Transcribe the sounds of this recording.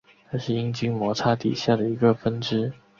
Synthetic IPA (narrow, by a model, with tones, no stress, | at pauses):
na˥˧ʂɻ̩˥˩i˥ŋt͡ɕi˥ŋmwɔ˧˥t͡sʰa˥t̪ḭ˨˩ɕja˥˩d̪ə˩i˧˥ɡə˧fə˥nʈ͡ʂɻ̩˥